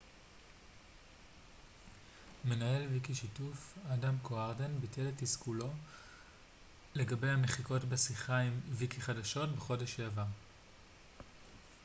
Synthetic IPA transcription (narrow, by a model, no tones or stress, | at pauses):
me̞naje̞lvikiʃitufadamkoaʁdenbitʰe̞letiskulo̞ | le̞ɡabe̞jhameχiko̞tbesiχaimvikiχadaʃo̞tbeχo̞de̞ʃheava